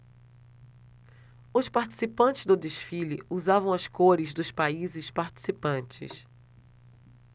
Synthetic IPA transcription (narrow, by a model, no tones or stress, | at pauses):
ʊspaɾt͡ʃi̥sipɐ̃nt͡ʃɪzd̪ʊd̪eʃfilɪ̰uzavɐ̃w̃ɐskoɾɪzd̪ʊspaizɪspaɾt͡ʃi̥sipɐ̃nt͡ʃɪ̰s